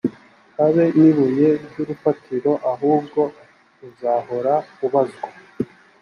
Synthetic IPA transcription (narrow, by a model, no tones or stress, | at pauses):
haβe̞niβuje̞ɟuɾufatʰiɾo̞ʔaɦuːbɡo̞ | uzaɦo̞ɾauβazɡo